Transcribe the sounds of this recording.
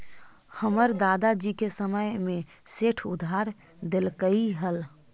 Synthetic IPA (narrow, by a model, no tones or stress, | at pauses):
həməɾd̪aːd̪ad͡ʒikesəməjmẽ | seʈʰʊd̪ʱaɾ | d̪elkəiɦəl